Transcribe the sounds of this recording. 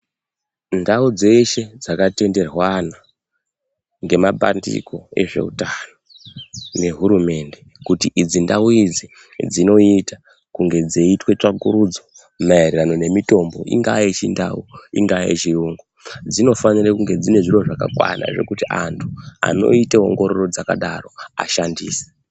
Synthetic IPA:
ndaud͡ze̞ʃe̞d͡zakate̞nde̞rwana | ŋɡe̞mapa̰ndḭko̞e̞̰ʐe̞̰ṵtano | ne̞ɦuɾume̞nde̞ | kutiʔid͡zindauid͡zi | d͡zino̞ita | kuŋɡe̞d͡zeitwe̞t͡ʂakuɾud͡zo | maerirano̞ne̞mito̞mbo̞ʔḭŋɡait͡ʃinda̰uiŋɡaḛt͡ʃiuːŋɡod͡zino̞fanirakuŋɡe̞d͡zine̞ʐiro̞ʐaka̰kwa̰na̰ʐe̞̰kutiʔantʰua̰no̞̰iteo̞̰ŋɡo̞ɾo̞ro̞d͡zaka̰ɗaro̞a̰ʃandiːse̥

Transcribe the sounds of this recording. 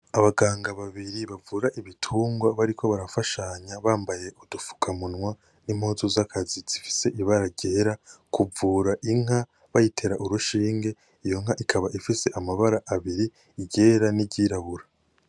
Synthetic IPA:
aβaɡaːŋɡaβaβiɾiβavuɾaʔiβitʰuːŋɡwaβaɾiko̞βaɾafaʃaɲaβaːmbaje̞ʔudufu̥kʰamunwa | nimhoːzozakʰaziz̥ifi̥se̞ʔiβaɾaɟe̞ːɾakʰuvuːɾaʔiŋ̥ha | βajitʰe̞ɾaʔuɾuʃiːŋɡe̞ | ijo̞ŋ̥haʔikʰaβaʔifise̞ʔamaβaɾaʔaβiɾi | iɟe̞ːɾaniɟiːɾaβuɾa

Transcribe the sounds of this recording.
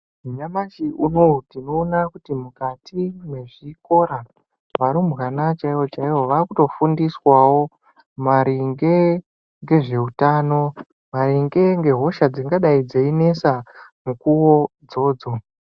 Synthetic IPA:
uɲamaʃiunotino̞ːnakutimukatʰimwe̞ʐiko̞ɾa | ʋaɾumɣanat͡ʃaiwot͡ʃaiʋo̞ʋakuto̞fundiswawo̞ | maɾiŋɡe̞ | ŋɡe̞ʐe̞utaːno̞ | maɾiŋɡe̞ŋɡe̞ɦo̞ʃad͡ziŋɡaɗaid͡zeine̞samukuwo̞d͡zo̞ːd͡zo̞

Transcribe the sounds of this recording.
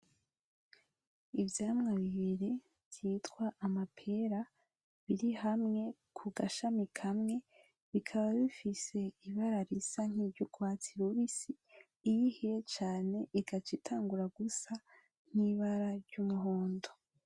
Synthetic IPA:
ivjaːmŋaβiβiɾe | v̥jiːtkwaʔːmapʰe̞ɾa | βiɾihamŋe̞kʰuɡaʃamikʰamŋe̞ | βikʰaβaβifise̞iβaɾaɾisan̥iɟuɡwaːt͡siɾuβisiː | jihijet͡ʃaːne̞ʔiɡat͡ʃitʰaːŋɡuɾaɡusa | n̥iβaɾaɾɟumuɦoːndo

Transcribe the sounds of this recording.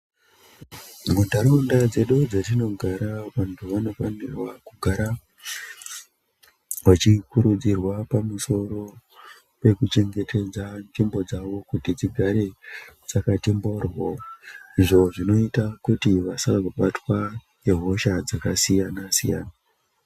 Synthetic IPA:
mudʱaɾondad͡ze̞ɗud͡zatino̞ɡʱaɾaʋantʰuʋano̞fanirwakuɡʱaɾa | wat͡ʃikuɾud͡zirwapamuso̞ɾo̞ | pe̞kut͡ʃe̞ŋɡe̞tʰe̞d͡zanʐimbo̞d͡zaʋo̞kutid͡ziɡʱaɾe̞d͡zakatimbo̞rwoiʐo̞ʐino̞itakutiʋasaʋakuɓatwa | jeɦo̞ʃad͡zakasijanasija̰ːna

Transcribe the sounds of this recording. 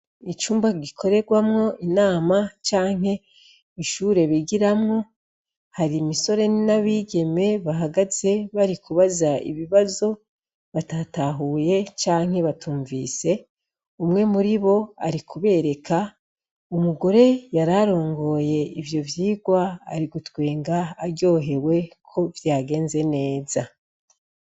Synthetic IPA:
it͡ʃuːmbaɡikʰo̞ɾe̞ɡwamŋo̞ʔinaːmat͡ʃaːŋ̥he̞ | iʃuɾe̞βiɡiɾamŋo̞ | haɾimiso̞ɾe̞naβiːɡe̞me̞βaɦaɡaze̞βaɾikuβazaḭβiβazo̞ | βatataɦuːje̞t͡ʃaːŋ̥he̞βatuːɱviːse̞ | umŋe̞muɾiβo̞a̰ɾikʰuβe̞ːɾe̞kʰa | umuɡo̞ɾe̞jaɾaɾo̞ːŋɡo̞ːje̞ivjo̞vjiːɡwa̰ːɾiɡutwe̞ːŋɡaːɟo̞ːɦe̞we̞kʰo̞vjaːɡe̞ːnze̞ne̞ːza

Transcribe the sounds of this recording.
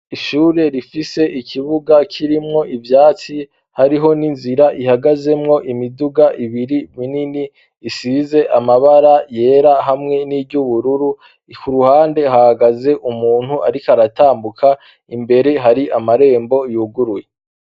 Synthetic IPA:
iʃuːɾe̞ɾifise̞ʔikʰiβuɡakʰiɾimŋo̞ʔivjaːt͡si | haɾiɦo̞ninziɾaʔihaɡaze̞mŋo̞ʔimiduɡaʔiβiɾimininiː | size̞ʔamaβaɾaje̞ːɾaɦamŋe̞nibɟuβuɾuɾu | kʰuɾuhaːnde̞ɦahaɡaze̞ʔumuːn̥huʔa̰ɾikaɾataːmbukʰa | imbe̞ɾe̞ɦaɾiʔamaɾe̞ːmbo̞juɡuɾuje

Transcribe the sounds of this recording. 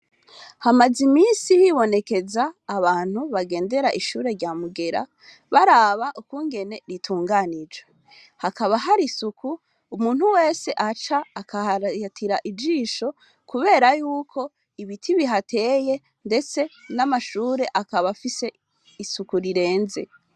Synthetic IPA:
hamazimiːnsijiβo̞ne̞ke̞zaːβaːn̥huβaɡe̞ːnde̞ɾaʔiʃuːɾe̞ɾɟaːmuɡe̞ɾa̰ | βaɾaβaʔukuŋɡe̞ne̞ɾitʰuːŋɡanid͡ʒwe | hakaβaɦaɾisukʰuː | muːn̥huwe̞ːse̞ʔat͡ʃaːkatʰiɾaʔid͡ʒiːʃo̞ | kuβe̞ːɾajuːkʰo̞ | iβitʰiβiɦatʰe̞ːje̞ | nde̞t͡se̞namaʃuːɾe̞ʔakaβafise̞ | isukuɾiɾe̞ːnze̞̰

